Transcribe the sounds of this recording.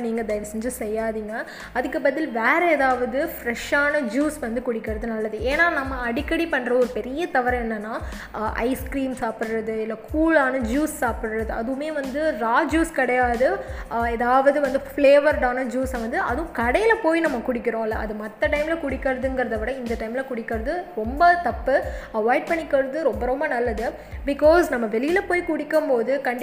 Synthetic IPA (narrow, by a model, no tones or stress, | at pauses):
niːŋɡɐd̪ɐjɪɾɐsɛɲd͡ʒɐsɛjːaːðiːŋɡɐ | ɐðɯkːɯbɐðɪlʋeːɾɛɛðaːʋɐðɯfɾɛʂaːnɐd͡ʒuːsʋɐnd̪ɯkʊɽɪkːɐɾɐðɯnɐlːɐðɯʔeːnːaːnɐmːɐɐɽɪkːɐɽipɐɳːɾɐɔɾɯpɛɾɪjɐt̪ɐʋɐɾɐ̃ɛnːɐnːaː | ʔɐ̰ɪskɾiːmsaːpɪɽɾɐðɯɪlːɐkʰuːlaːnɐd͡ʒuːssaːpɪɽɯɾɐðɯɐ̰ðɯʋɯmeːʋɐnd̪ɯɾaːd͡ʒuːskɪɽɐjaːðɯɛðaːʋɐðɯʋɐnd̪ɯfleːʋɐɾɖaːnɐd͡ʒuːsɐʋɐnd̪ɯɐðɯ̃kɐɽɐjɪlɐpoːjinɐmːɐkʊɽɪkːɪɾõːɪlːɐɐðɯmɐt̪ːɐʈɐɪmɪlɐkʊɽɪkːɐɾɐðɯŋɡɪɾɐðɐʋɪɽɐɪnd̪ɐʈɐɪmɪlɐkʊɽɪkːɐɾɐðɯɾɔmbɐt̪ɐpːɯɐʋaːjɪʈ̚pɐɳːɪkːɐɾɐðɯɾɔmbɐɾɔmbɐnɐlːɐðɯ | bɪkɔːsnɐmːɐʋɛlɪjɪlɐpoːjkʊɽɪkːɯmpoːðɯkɐɳɖ